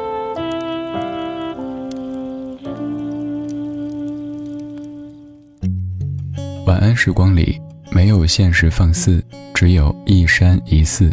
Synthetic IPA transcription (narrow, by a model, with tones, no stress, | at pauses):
wa˨˩nʔə˥nʂɻ̩˥˩kwɑ˥ŋlḭ˨˩˦ | me˧˥ɪjo˨˩ʊɕjɛ˥˩nʂɻ̩˧˥fɑ˥˧ŋs̩˥˩ | ʈ͡ʂɻ̩˧˥jo˨˩ʊi˥˩ʂa˥ni˧˥sɹ̩˥˩